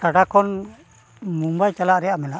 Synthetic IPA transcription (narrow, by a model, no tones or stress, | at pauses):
aɖakɔn | mumbajt͡ʃalaʔɾɛjaʔmɛla